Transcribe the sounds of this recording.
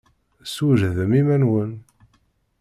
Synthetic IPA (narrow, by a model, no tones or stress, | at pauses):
suʒðəmimænwən